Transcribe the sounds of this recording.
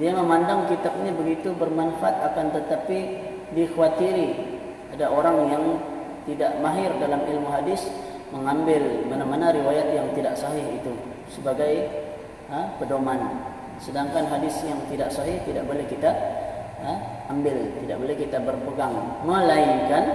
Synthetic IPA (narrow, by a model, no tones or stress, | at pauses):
diaməmandaŋkit̪ap̚nibəɡit̪ubərmanfaʔat̪̚akant̪ət̪api | dixuwat̪iɾi | adaʔoɾaŋjaŋ | t̪idaʔmaɦɪrdalamilmuɦadɪs | məŋambɪlmanamanaɾiwajat̪̚jaŋt̪idaʔsaɦɪɦit̪u | səbaɡaj | əpədoman | sədaŋkanɦadɪsjaŋt̪idaʔsaɦɪht̪ida̰ʔbolɛhkit̪a | ə | ambɪlt̪idaʔbolɛhkit̪abərpəɡaŋ | məlaɪŋkan